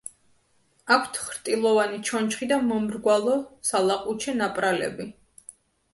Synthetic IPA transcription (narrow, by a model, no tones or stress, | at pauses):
akʷʰt̪ʰχɾt̪ʼilˠɔvanit͡ʃʰɔnt͡ʃχid̪amɔmɾɡwalˠɔsalˠaqʼut͡ʃʰɛnapʼɾalɛ̰bi